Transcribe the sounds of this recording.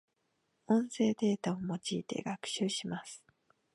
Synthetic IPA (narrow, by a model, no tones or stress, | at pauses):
õ̞ɰ̃se̞ːd̪e̞ːt̪ao̞mo̞t͡ɕiːt̪e̞̰ɡakɯ̟̥ɕɨːɕimasɨ̥